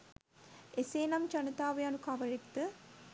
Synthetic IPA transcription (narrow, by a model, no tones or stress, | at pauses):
eseːnamt͡ʃɐnət̪aːʋejanukaʋəɾekt̪ə